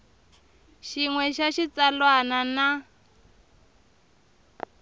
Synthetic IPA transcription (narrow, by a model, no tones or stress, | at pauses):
ʃiŋwɛʃaʃit͡salwanana